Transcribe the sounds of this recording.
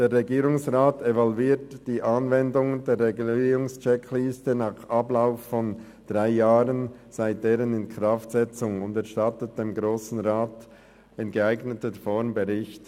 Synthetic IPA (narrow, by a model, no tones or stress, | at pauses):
d̥eːrːeɡiːɾʊŋsʁaːtevɔlviːtd̥iːʔɑnvɛndʊŋdeːɾʁeɡliʊŋst͡ʃɛkliːstənaːχʔɑblaʊffɔn | d̥ʁaɪjaːʁənz̥aɪt̚d̥eːɾənɪnkʁ̥aftz̥ɛt͡sʊŋʊndɛɾʃtɑtət̚d̥eːmɡɾoːsn̩ʁaːt | ɪnɡəaɪɡnətəfɔɾmbəʁɪçt